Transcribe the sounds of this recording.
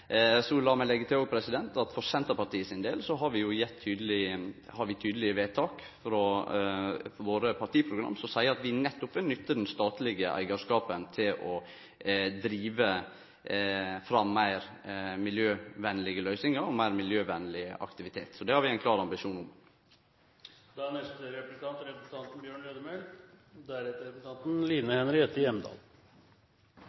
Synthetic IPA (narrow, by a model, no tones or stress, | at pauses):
sɔlɑːmɛlɛɡət̪ɪoːɡ̚pʰɾɛsɪd̪ɛnt̪ɑt̪fɔɾsɛnt̪əɾpʰɑɾt̪iːəsɪnd̪eːlsɔɦɑɾʋɪjʊjɛt̪ʰːyːd̪əlɪhɑɾʋɪt̪ʰyːd̪əlɪəʋeːt̪ʰɑːk | fɾɔ | ʋoːɾəpʰɑʈ̪iːəpʰɾʊɡɾɑ̰mːsɔmsæɪəɑt̪ʋɪnɛt̪ːʊpʋɪnʏt̪ʰːəɖɛnst̪ɑːt̪lɪɡəʔæ̰ɪɡəʂkɑːpənt̪ʰɪlʔɔ | d̪ɾiːʋə | fɾɑmæɪɾmɪljøːʋɛnːəlɪɡəlœʏsɪŋəɾɔmæɪɾmɪljøːʋɛnːəlɪɑ̰kt̪ɪʋɪt̪ʰeːt̪sɔd̪ɛhɑɾʋɪæɪnklɑːɾɑmbɪʃuːnʊm | d̪ɛæɳɛst̪əɾɛpɾəsə̥t̪ʰɑnt̪ɾɛpɾəsn̩t̪ɑnt̪n̩bjøːɳɾøːd̪əmeld̪æɾɛt̪əɾɛpn̩t̪ʰɑnt̪n̩liːnəhɛnɾɪheːt̪ɪjɛmd̪ɑ̰ːl